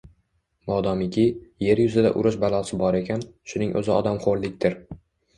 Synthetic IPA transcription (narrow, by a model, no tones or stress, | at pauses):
mɒd̪ɒmɪkʲʰɪje̞ɾjʊzɪd̪a̰ʔʊ̰ɾɪʃbalˠɒsɪbɒɾekʲʰanʃʊnɪŋʔɵ̰zɪɒ̰d̪amχoɾlɪkʲt̪ɪɾ